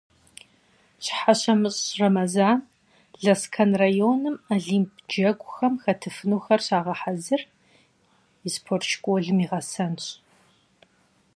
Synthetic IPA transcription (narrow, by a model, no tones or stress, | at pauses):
ɕʼħaɕɐmɨɕʼrɐmɐzaːn | ɮɐskʰɐnrajoːnɨmaɮiːmpʰd͡ʒɐɡʷʼʊxɐmxɐtʰɨfɨnuːxɐrɕaːʁɐħazɨr | ispʰort͡ʃkʷʼoɮɨmiːʁɐsɐnɕʼ